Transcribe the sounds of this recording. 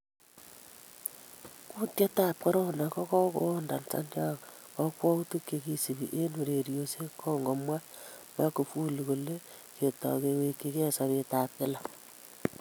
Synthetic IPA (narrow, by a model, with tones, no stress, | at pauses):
ku˦tja˦taː˦˨p̚ke˦ɾɔ˦na˨kɔ˦kɔ˦ko̰˦nda̰˨nsa̰˦ndja˦ | kɔ˦kwɔ˦u˦tu˦ke˨ki˨si˨βi˨ʔe˦nu˨ɾe˨ɾjo˨se˦kʰɔ˦ŋɡo˨mwa˦ | ma˦ku˨fu˦lu˨ko˨le˦ | ke˨tɔ̰˨ke˨we˨kːi˦ke˦sa˨βe˦taː˨k̚ɪ˦la˨